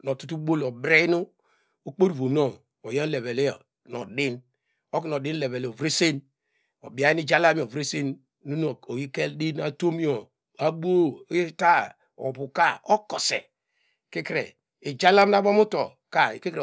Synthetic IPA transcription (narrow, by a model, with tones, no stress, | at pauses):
no˨tu˦tu˦bo˦lo˨bɾe˦nu˦ | o˦k͡po˦ɾu˨vo˨no˦˨ŋ | o˨je˦le˨ve˨le˦ɔ˨ | no̰˨di˦n | o˦ki˦no˨di˦n˦le˨βe˨lo˨vɾe˦se˦n | o̰˨bi˨a˨˦i˦ni˦d͡ʒa˦la˦mi˨o˨vɾe˦se˦n | nu˦no˨o˨ji˦ke˦ldi˦na˦to˦mi˦o˨ | a˦bo˦˨˦i˦ta˦ | ɔ̰˨bu˨ka˦o˦kɔ˨sḛ˨ | ki˦kɾḛ˨ | i˨d͡ʒa˦la˦m˦na˦bo˦mu˦to˨ | ka˦˨ki˦ke˨